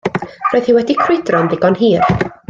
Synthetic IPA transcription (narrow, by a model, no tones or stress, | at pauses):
roːɨð̥hɨwɛdikʰrwɪdrɔnðɪɡɔnɦiːr